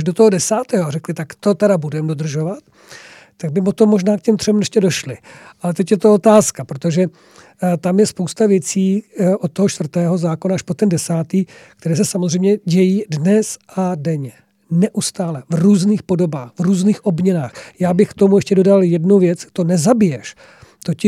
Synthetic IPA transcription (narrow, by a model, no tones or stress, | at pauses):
ʒdot̪oɦodɛsaːt̪ɛːɦoɾɛklɪt̪akt̪o̞t̪ɛɾabudɛmdo̞d̪r̩ʒovat̪ː | aɡ̚bɪmot̪o̞mːo̞ʒnaːk̚cɛmt̪r̥ɛmɛʃcɛdo̞ʃlɪ | ʔalɛt̪ɛcjɛt̪o̞ot̪aːskapɾot̪oʒɛ | t̪amjɛspo̞wst̪avjɛt͡siːʔot̪̚t̪oɦot͡ʃt̪vr̩t̪ɛːɦo̞zaːkonaʔaʃpo̞t̪ɛndɛsaːt̪iːkt̪ɛɾɛːs̬ɛsamozr̝ɛjmɲɛɟɛjiːdnɛsadɛɲɛ | nɛʔust̪aːlɛvruːzniːxpo̞do̞baːxvruːzniːxʔo̞bɲɛnaːxjaːbɪxkt̪o̞mujɛʃcɛdo̞daljɛdnuvjɛt͡st̪o̞nɛzabɪjɛʃ | t̪ocɪ